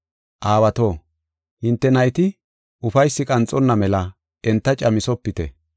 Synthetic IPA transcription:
ʔaːwɐt̪o̞ː | hɪnt̪ːɛnɐjt̪ɪ | ʔʊfɐjsːɪkʼɐnt͡sʼːɔnːɐmɛlɐ | ɛnt̪ːɐt͡ʃʼɐmɪsɔpːɪt̪ɛ̰

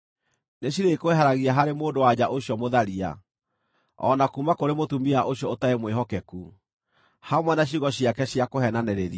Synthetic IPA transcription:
neɕiɾekoeɦaɾaɣiaɦaɾemoːndowad͡ʑaʔoɕiɔmoðaɾia̰ | ɔ̰nakuːmakoɾemotumiaʔoɕjɔotaemweɦɔkɛku | hamwɛnaɕ̬iɣɔɕiakɛɕjakoɦɛnanɛɾeɾi

